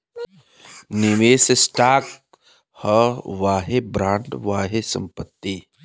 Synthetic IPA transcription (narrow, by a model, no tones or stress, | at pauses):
nɪmeːsesʈaːk | həʋaːɦebɾãːɳɖʋaːɦesə̰̃mpət̪ːi